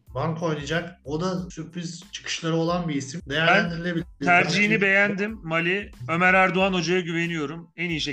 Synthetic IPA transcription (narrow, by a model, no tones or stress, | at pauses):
bankʰo̞jnad͡ʒakod̪asypːyzt͡ʃʰɯ̥kʰɯ̥ʃlˠaɾɯo̞lˠanbiːsimd̪ejæd̪iɾlʲebilʲt̪ʰæɾd͡ʒiɦinibe̞jænd̪imːalʲiø̞mæɾæɾd̪uano̞d͡ʒajaɟyve̞nijo̞ɾumænijiʃe